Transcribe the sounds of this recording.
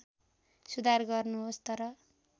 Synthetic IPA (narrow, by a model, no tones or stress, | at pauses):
sud̪ʱarɡʌrnuɦost̪ʌɾʌ